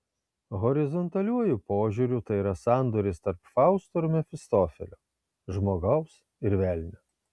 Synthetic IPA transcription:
ɣɔɾʲɪzɔnt̪ɐlʲuɔjupoːʒʲuɾʲuːˑt̪ɐɪiːɾɐsɑˑnd̪oɾʲɪst̪ɐɾpfɑˑʊst̪oɾumʲɛfʲɪst̪ofʲɛ̰lʲoː | ʒmoːɡɐʊs | ɪɾʋʲɛlʲnʲʊ

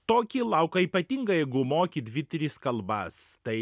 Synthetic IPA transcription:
t̪oːkʲilˠɐʊkɐiːpɐt̪ʲiŋɡɐjɛɪɡʊmoːkʲid̪ʲʋʲɪt̪ʲɾʲɪskɐlˠbɐst̪ɐɪ

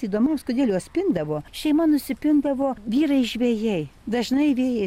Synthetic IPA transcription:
iːd̪oːmɐmskʊd̪ʲeːlʲuɐt̪sʲpʲɪnd̪ɐʋoːʃʲɛɪmɐnʊsʲɪpʲɪnd̪ɐʋoːʋʲiːɾɐɪʒʲʋʲeːjɛɪd̪ɐʒnɐɪʋʲeːjɛ

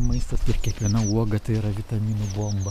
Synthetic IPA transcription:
mɐɪst̪ɐsɪɾkʲiɛkʋʲiɛnɐuɔɡɐt̪ɐɪɪɾɐʋʲɪt̪ɐmʲiːnʊboːmbɐ

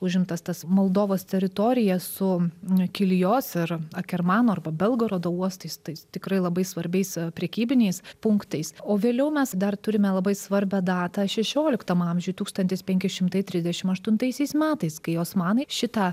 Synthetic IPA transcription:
ʊʒʲɪmt̪ɐst̪ɐsmolˠd̪oːʋoːst̪ʲɛɾʲɪt̪oːɾʲɪjɛsʊkʲɪlʲjoːsɪɾɐkʲɛrmɑːnoːɐrbɐbʲɛlˠɡoɾoːd̪oːuɔst̪ɐɪst̪ɐɪst̪ʲɪkɾɐɪlˠɐbɐɪsʋɐɾʲbʲɛɪspʲɾʲɛkʲiːbʲɪnʲɛɪspʊŋkt̪ɐɪsoːʋʲeːlʲɛʊmʲɛsd̪ɐrt̪ʊɾʲɪmʲɛlˠɐbɐɪsʋɐɾʲbʲɛd̪ɑːt̪ɐʃʲɛʃʲoːlʲɪkt̪ɐmɐmʲʒʲʊjt̪uːkst̪ɐnt̪ʲɪspʲɛŋʲkʲɪʃʲɪmt̪ɐɪt̪ʲɾʲɪzʲd̪ʲɛʃʲɪmɐʃt̪ʊnt̪ɐɪsʲɛɪsmʲæːt̪ɐɪskɐɪoːsmɑːnɐɪʃʲɪt̪ɑ

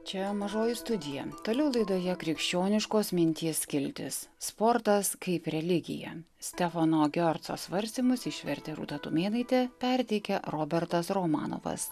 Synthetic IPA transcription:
t͡ʃʲɛmɐʒoːjɪst̪ʊd̪ʲɪjɛ̰t̪oːlʲɛʊlˠɐɪd̪oːjɛkɾʲɪkʃʲt͡ʃʲoːnʲɪʃkoːsmʲɪnʲt̪ʲiːskʲɪlʲt̪ʲɪ̰sspɔɾt̪ɐskɐɪpɾʲɛlʲɪɡʲɪ̰jɛ̰ | sʲt̪ʲɛfɐnoːɡʲɔɾt̪so̰ːsʋɐɾʲsʲt̪ʲiːmʊsɪʃʲʋʲɛɾʲt̪ʲɛɾṵːt̪ɐt̪ʊmʲeːnɐɪt̪ʲeːpʲɛɾʲt̪ʲɛɪkʲɛɾoːbʲɛɾt̪ɐsɾoːmɑ̰ːno̰ːʋɐ̰s

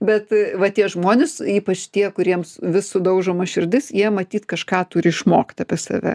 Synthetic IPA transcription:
bʲɛt̪ʋɐt̪ʲiɛʒmoːnʲɪsiːpɐt͡ʃt̪ʲiɛkʊɾʲiɛmsʋʲɪssʊd̪ɐʊʒomɐʃʲɪrʲd̪ʲɪsjiɛmɐt̪ʲiːt̪kɐʃkɑːt̪uɾʲɪɪʃmoːkʲt̪ɐpʲiɛsɐ̰ʋʲɛ̰

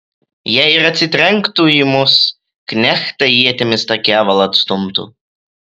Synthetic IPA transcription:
jæjɪɾɐt̪ʲsʲɪt̪ʲɾʲɛŋkt̪uimʊs | knʲæxt̪ɐjiɛt̪ʲɛmʲɪst̪ɐkʲæːʋɐlˠɐt̪st̪ʊmt̪ṵ

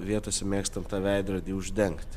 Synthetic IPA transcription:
ʋʲiɛt̪oːsʲɛmʲeːkst̪ɐmt̪ɑːʋʲɛɪd̪ɾɐd̪ʲiːʊʒʲd̪ʲɛŋkt̪ʲ

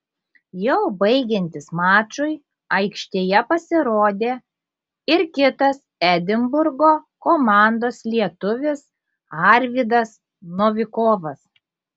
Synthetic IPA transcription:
jɛʊbɐɪɡʲɛnʲt̪ʲɪsmɑːt͡ʃʊɪ | ɐɪkʃʲt̪ʲeːjɛpɐsʲɪɾoːd̪ʲeː | ɪɾkʲɪt̪ɐsæd̪ʲɪmbʊɾɡoː | koːmɑˑnd̪oːslʲiɛt̪ʊʋʲɪs | ɑɾʲʋʲid̪ɐs | noːʋʲɪkoːʋɐs

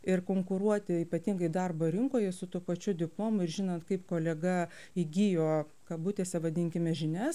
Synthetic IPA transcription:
ɪrkoːŋkʊɾuɔt̪ʲɪiːpɐt̪ʲiŋɡɐɪd̪ɐrboːɾʲɪŋkoːjɛsʊt̪uːpɐt͡ʃʲʊd̪ʲɪplˠoːmʊɪɾʒʲɪnɐnt̪kɐɪpkoːlʲɛɡɐ | iɡʲijoː | kɐbʊt̪ʲeːsʲɛʋɐd̪ʲɪŋʲkʲɪmʲɛʒʲɪnʲɛs

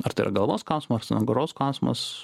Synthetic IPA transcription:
ɐɾt̪ɐɪɾɐ̰ɡɐlˠʋoːsklˠɐʊsʲmɐɐɾsʲɐnɐɡoɾoːsklˠɐʊsʲmɐ̰s

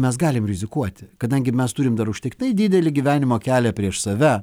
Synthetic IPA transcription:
mʲɛsɡɑːlʲɪmɾʲɪzʲɪkuɔt̪ʲɪkɐd̪ɐŋʲɡʲɪmʲɛst̪uːɾʲɪmd̪ɐɾʊʃʲt̪ʲɪkt̪ʲɪnɐɪd̪ʲɪːd̪ʲɛlʲɪɡʲiʋʲæːnʲɪmoːkʲæːlʲɛpʲɾʲiɛʃsɐʋʲɛ

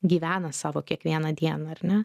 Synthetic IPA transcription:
ɡʲiːʋʲæːnɐsɑːʋoːkʲiɛkʋʲiɛnɐd̪ʲiɛnɐɐɾnʲɛ

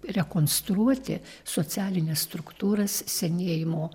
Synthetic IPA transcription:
ɾʲɛkoːnst̪ɾuɔt̪ʲɪ̰soːt͡sʲæːlʲɪnʲɛsst̪ɾʊkt̪uːɾɐssʲɛnʲeːjɪmoː

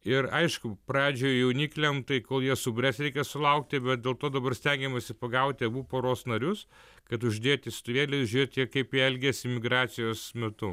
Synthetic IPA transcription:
ɪɾɐɪʃkʊpɾɑːd͡ʒʲoːjjɛʊnʲiːklʲɛmt̪ɐɪkoːlˠjiɛsʊbʲrʲɛsɾʲɛɪkʲɛsʊlˠɐʊkt̪ʲɪbʲɛt̪̚d̪ʲeːlˠt̪oːd̪ɐbɐrsʲt̪ʲɛŋʲɡʲɛmɐsʲɪpɐɡɐʊt̪ʲɪɐbuːpoːɾoːsnɐɾʲʊs | kɐt̪ʊʒʲd̪ʲeːt̪ʲɪsʲt̪ʊʋʲeːlʲesʒʲʊɾʲeːt̪ʲjiɛkɐɪpjiɛlʲɡʲɛsʲɪmʲɪɡɾɑːt̪sʲɪjoːsmʲɛt̪ʊ

